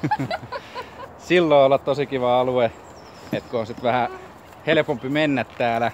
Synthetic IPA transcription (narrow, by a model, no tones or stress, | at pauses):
silːoiolːɑt̪t̪osikiʋɑɑlue | et̪kuonsit̪ʋæhæ | helepompimenːæt̪t̪æːlæ